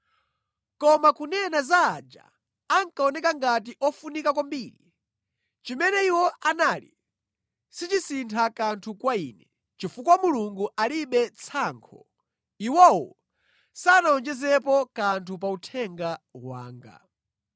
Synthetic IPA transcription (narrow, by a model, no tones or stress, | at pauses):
kɔmakunɛnazaːd͡ʒa̰ | aŋkaɔnɛkaŋɡat̬iʔɔfunikak̬wambiːli | t͡ʃimɛnɛiwɔanaːlḭ | sit͡ʃisintʰakantʰukwaiːnɛ | t͡ʃifukawamuluŋɡuʔaliɓɛt͡sʰaːŋkʰɔ̰ | iwɔwɔ̰ | sanaɔnd͡ʒɛzɛpɔkantʰup̬autʰɛŋɡawa̰ːŋɡa̰